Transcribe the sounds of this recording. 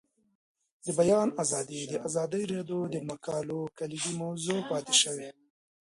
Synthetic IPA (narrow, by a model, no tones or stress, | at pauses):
d̪əbajɑnazɑd̪id̪əʔazɑd̪əjɾed̪od̪əmakɑlokaliɡimawzopɑt̪eʃəwe